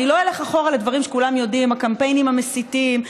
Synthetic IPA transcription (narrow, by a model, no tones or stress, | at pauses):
nilojeleχaχo̞ʁalad̪vaʁimʃekulamjo̞dimakampe̞jnimamesit̪im